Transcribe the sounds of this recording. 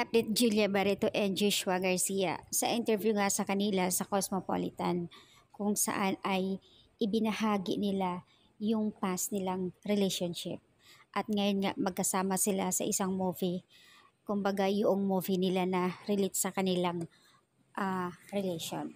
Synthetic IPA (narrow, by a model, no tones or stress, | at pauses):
kap̚d̪ɪt̪̚d͡ʒuljɐbɐɾɛt̪oʔɛnd͡ʒuʃʊɐɡɐɹsijɐ̰sɐʔɪnt̪ɛɹvjuŋasɐkɐnɪlasɐkosmopo̰lɪt̪ɐn | kʊŋsɐ̰ʔanɐj | ʔɪbɪnɐhaːɡɪ̰nɪla | jʊŋpasnɪlaŋɾɪlɛjʃonʃɪ̰p̚ | ʔɐt̪̚ŋɐjonŋa̰ʔmɐɡ̚kɐsaːmɐsɪlasɐ̰ʔɪsaŋmuːvi | kʊmbɐɡajʊʔoŋmuːvinɪlanɐɾɪlɪt̪̚sɐkɐnɪlaŋ | ʔaɾɛlɛjʃo̰n